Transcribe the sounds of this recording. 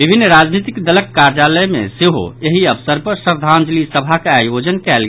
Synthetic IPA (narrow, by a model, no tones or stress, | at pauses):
bibʱinːɾad͡ʒnit̪ikd̪ələkːaɾjaləmḛseɦo̰eɦiəbsəɾpəɾsəɾd̪ʱand͡ʒlisəbʱakeajod͡ʒənkɛlɡ